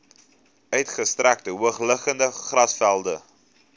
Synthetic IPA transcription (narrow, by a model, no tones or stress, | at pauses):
œɥtχəstræk̚təɦuəχləχəndəχrɐsfælˠdə